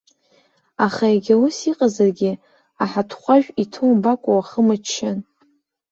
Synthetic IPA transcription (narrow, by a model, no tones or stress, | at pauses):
aχaeɡʲausiqʼazarɡʲɪ | aħatʰχʷaʒᶣitʰuwmbakʷʼawaχəmat͡ʃʰːɪn